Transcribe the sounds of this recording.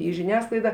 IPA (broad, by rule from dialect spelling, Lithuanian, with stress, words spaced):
iː ʒʲɪˈnʲæːsklˠɐɪdɐ